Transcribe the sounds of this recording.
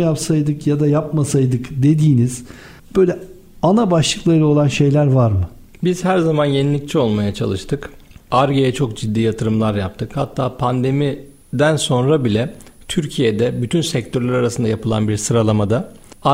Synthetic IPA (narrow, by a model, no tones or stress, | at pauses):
japsajd̪ɯkjad̪ajapmasajd̪ɯkd̪e̞d̪iːniz̥ | b̥ø̞jlʲɛ | anabaʃlˠɯklˠaɾɯo̞lˠanʃe̞jlʲæɾvaɾmɯ | biz̥hæɾzamanjenilʲic̚t͡ʃʰio̞lˠmajat͡ʃʰa̰lˠɯʃt̪ʰɯkaɾɡejɛt͡ʃʰo̞k̚d͡ʒid̪ːiːjat̪ʰɯɾɯmlˠaɾjap̚t̪ʰɯkhat̪ʰːaːpʰand̪e̞mi | d̪ænso̞nɾabilʲɛt̪ʰyɾcʰijed̪ɛbyt̪ʰynsɛc̚t̪ʰøɾlʲaɾaɾasɯnd̪ajapʰɯlˠa̰nbiɾsɯɾalˠamad̪a